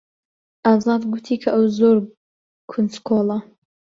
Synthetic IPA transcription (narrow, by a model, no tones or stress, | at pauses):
ʔɑːzɑd̪ɡut̪ʰiːkʰɐʔɐwzoɾ | kʰunskʰolˠɐ